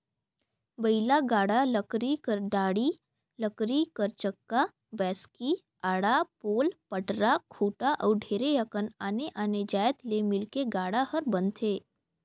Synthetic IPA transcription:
bəɪlaɡaːɽaləkɾikəɾɖaːɽi | ləkɾikəɾt͡ʃəkːa | bɛːski | aːɽapoːlpəʈɾakʰuːʈaʔɔːɾɖʱeːɾejəkənaːneʔaːned͡ʒaːjət̪lemɪlkeɡaːɽahəɾbə̃nt̪ʰeː

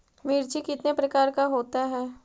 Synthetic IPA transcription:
miːɾt͡ʃikɪt̪nepɾɐkaːɾkaɦoːt̪aɦɛː

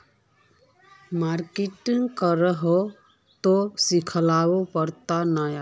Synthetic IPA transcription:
maɾkiʈiŋɡkəɾəɦo | t̪osikʰəlawopəɾt̪anaja

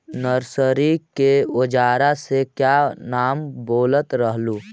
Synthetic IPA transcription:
nəɾsəɾikeod͡ʒaːɾasekjanaːmboːlət̪ɾəɦluː

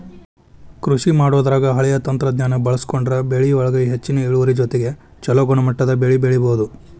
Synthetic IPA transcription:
kɾuʃimaːɽoːd̪ɐɾaːɡɐɦɐɭɛjɐt̪ɐnt̪ɾɐd̪ɲaːnɐbɐɭɐskoɳɖɐɾɐbeɭiɔɭɐɡɐjiɦet͡ʃːinɐeɭuʋɐɾid͡ʒot̪eɡe̞ | t͡ʃɐloɡɔɳɐmɐʈːɐd̪ɐbeɭibeɭiboːd̪u

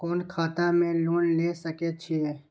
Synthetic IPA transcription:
kɔːnkʰaːt̪amẽloːnlesɐket͡ʃʰiɛː

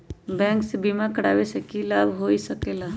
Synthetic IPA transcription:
bɛ̃ːŋksebimakəɽa̰ːʋesekilaːbʱɦoːisəkeːlaː

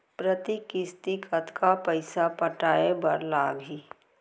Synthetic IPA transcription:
pɾət̪ikɪst̪ikʰət̪ʰkapɐɪsapɐʈaːebɐɾlaːɡɦiː

